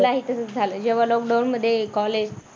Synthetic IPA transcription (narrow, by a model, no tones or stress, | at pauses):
laɦit̪əsət͡sd͡zʱaləːd͡ʑeʋ̤alɔk̚ɖawnməd̪ʱːjekɔled͡ʑ